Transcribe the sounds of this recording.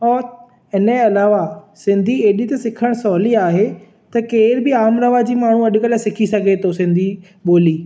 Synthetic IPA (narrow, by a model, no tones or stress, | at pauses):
ɔː | ɪnəɐlaːʋasɪ̃nd̪ʱieːɗit̪ɐsɪkʰəɽ̃sɔːliaːɦe | t̪ɐkeːɪɾbɪaːmɾɐʋad͡ʑiːmaːɳ̤uɐɗkəlsɪkʰisɐɡʱet̪ʰosɪ̃nd̪ʱi | ɓoːliː